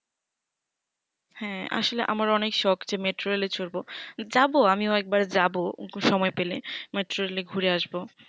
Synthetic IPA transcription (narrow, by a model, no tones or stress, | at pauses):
hɛ̃a̰ʃoleʔa̰maɾɔnekʃɔkd͡ʑemeʈɾoelet͡ɕʰoɾbod͡ʑaboamioɛk̚baɾd͡ʑaboʃɔmɔepelemeʈɾoɾeleɡʱuɾeaʃbo